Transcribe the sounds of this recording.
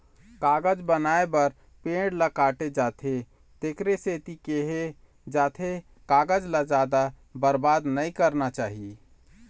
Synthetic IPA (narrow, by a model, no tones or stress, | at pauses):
kaɡəd͡ʒbənaebəɾ | pẽɖlakaːʈed͡ʒat̪ʰe | t̪ekɾeset̪ikeɦe | d͡ʒaːt̪ʰe | kaːɡəd͡ʒlad͡ʒaːd̪a | bəɾbad̪nəikəɾnat͡ʃaːɦie